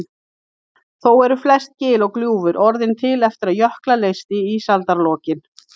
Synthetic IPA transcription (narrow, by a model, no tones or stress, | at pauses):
θowɛɾʏflɛst̪̚cɪːlɔɣkljuːvʏɾʔɔɾðɪnt̪ʰɪlɛft̪ɪɾaðjœhklalejst̪ɪisalt̪aɾlɔːcɪn